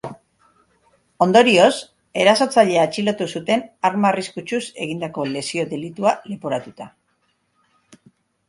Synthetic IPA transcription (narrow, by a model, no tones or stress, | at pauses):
o̞nd̪o̞ɾio̞s | e̞ɾaso̞t͡saʎe̞aet͡ʃilo̞t̪usut̪e̞naɾmariskut͡ʃuse̞ɣind̪ako̞le̞sio̞ðe̞lit̪uale̞poɾat̪ut̪a